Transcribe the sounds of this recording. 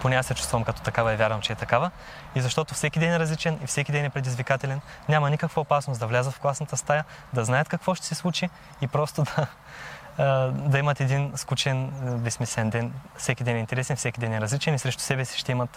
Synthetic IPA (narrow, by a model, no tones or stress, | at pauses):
ponɛasɛt͡ʃu̥st̪vɐmkɐt̪ɔt̪ɐkavɐɛvʲjaɾvɐmt͡ʃɛɛt̪ɐkavə | izɐʃt̪ɔt̪ofsɛkʲid̪ɛnɛɾɐzlit͡ʃɛnifsɛkʲid̪ɛnɛpɾɛd̪izvikat̪ɛlɛn | nʲamɐnikəkvɐopasnosd̪ɐvlʲazət̪fklˠasnɐt̪əst̪ajə | d̪ɐznajət̪kɐkvɔʃt̪ɛ̥sɛslˠut͡ʃiː | pɾɔst̪od̪ɐ | d̪ɐimɐt̪ɛd̪inskut͡ʃɛnvɛsmisɛɛnd̪ɛnfsɛkʲid̪ɛnɛint̪ɛɾɛsɛnfsɛkʲid̪ɛnɛɾɐzlit͡ʃɛnisɾɛʃt̪ʊ̥sɛbɛsi̥ʃt̪ɛimɐt̪